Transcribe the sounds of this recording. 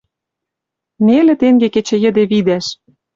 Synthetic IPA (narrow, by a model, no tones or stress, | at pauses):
nelĕt̪eŋɡeket͡ɕĕjə̆d̪eβid̪æʃ